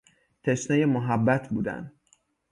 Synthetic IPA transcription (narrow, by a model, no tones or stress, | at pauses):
t̪ʰeʃnɒːjemoɦæbːæt̪ʰbuːd̪æ̰nd̪